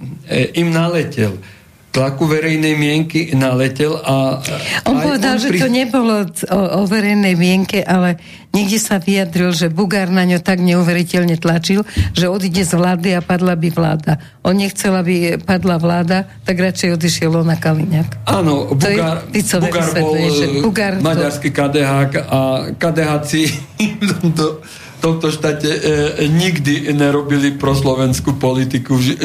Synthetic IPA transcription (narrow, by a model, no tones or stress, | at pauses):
imnalɛcɛ̰l | t̪lakuʋɛɾɛjnɛjmɪɛŋkinalɛcɛlaʔɔnɔʋɛd̪alʒɛt̪ɔɲɛbɔlɔɔʋɛɾɛjnɛjmɪɛŋkɛʔalɛ | ɲɛɡɟɛsaʋijad̪ɾilʒɛbuɡaɾnaɲɔt̪aɡɲɛuʋɛɾicɛʎɲɛt̪lat͡ʃilʒɛɔd̪iɟɛzʋlaːd̪iapad̪labiʋla̰ːd̪a | ʔɔnɲɛxt͡sɛlabipad̪laʋlaːd̪at̪aɡɾat͡ʃɛjɔd̪iʃɪɛlɔnakaliɲakaːnɔb̪ɔjɛapit͡sɔʋuɛɡaɾsbɛɔlɛɛbuɡaɾmaɟaɾskikad̪ɛɦakakad̪ɛɦat͡sift̪ɔmt̪ɔ | t̪ɔmt̪ɔʃt̪aːtɛɲiɡd̪iɲɛɾɔbilipɾɔslɔʋɛnskuːpɔlit̪ikuɛ